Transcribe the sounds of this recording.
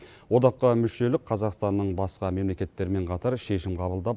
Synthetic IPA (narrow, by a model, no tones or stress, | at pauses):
wo̞d̪ɑqːəmʏʃe̞lɪk̚qʰɑzɑqst̪ɑnːəɴbɑsqɑme̞mle̞kʲe̞t̪ːe̞ɾme̞ɴqʰɑt̪ɑɾʃe̞ʃɪmqʰɑβəlˠd̪ɑp